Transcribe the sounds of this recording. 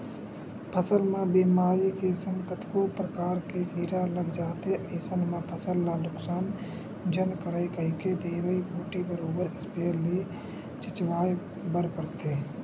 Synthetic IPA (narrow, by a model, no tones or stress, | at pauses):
pʰəsəlmẽbiːmaːɾikesə̃ŋkət̪ʰkopɾəkaːɾkeɡiːɾaləɡd͡ʒaːt̪eʔeːsənmẽpʰəsəlːalʊksaːn | d͡ʒənkəɾəekəɦiked̪eːʋəibʱuːʈibəɾoːbəɾɪspeːɾli | t͡ʃɪt͡ʃʋaːj | bəɾpəɾt̪eː